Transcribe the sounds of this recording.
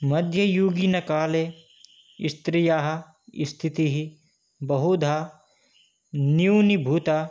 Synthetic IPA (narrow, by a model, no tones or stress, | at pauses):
mɐd̪ʱjɐjuːɡinɐkaːle | ist̪ɾɪjaːɦɐ̆ | ḭst̪ʰit̪iɦi | bɐɦud̪ʱaː | niwnibʱuːt̪a